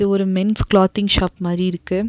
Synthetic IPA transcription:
ɯɔɾɯmɛnsklaːt̪ɪŋɡʃaːpmaːd̪ɾiɪɾɯkːɯ

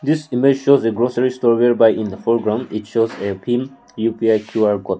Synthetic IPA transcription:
d̪isimed͡ʒʃozeɡɾosəɹistɔɹweɹbajʔĩnd̪əfɔɹɡɹãʊ̃nditʃozepʰim | jupiajkʰjuaɹkɔt

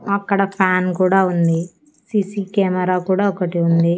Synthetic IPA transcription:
ɐkːɐɽɐpʰaːnkuːɽaːund̪i | siːsiːkeːmɐɾaːkuːɽaːɔkɐʈiund̪i

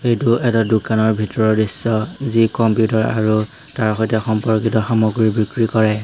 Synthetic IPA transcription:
ejtuʔɛtadukanɔɹbʱitɔɹɔɹdisːɔzikɔmpjutaɹa̰ɹu | taɹxɔjtɛxɔmpɔɹkitɔxamɔɡɹibikɹikɔɹɛ

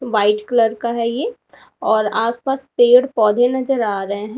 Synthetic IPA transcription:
ʋaːɪʈkələɾkaɦɛje | ɔːɾaːspaːspeːɽpɔːd̪ʱenɐzəɾaːɾɐɦeɦɛ̃

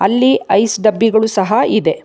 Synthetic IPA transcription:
ɐlːiɐjsɖɐbːiɡɐɭusɐɦɐid̪e̞

